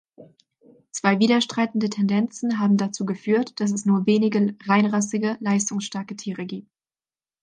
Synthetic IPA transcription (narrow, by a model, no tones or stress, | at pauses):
t͡sv̥aɪviːdɐʃtʁ̥aɪtn̩dətʰɛndɛnt͡sn̩ɦaːbm̩dat͡suːɡəfyːɐtd̥as̬ɛsnuːɐveːnɪɡəʁaɪnʁasɪɡəlaɪstʊŋsʃtɛɐkətʰiːʁəɡiːp̚t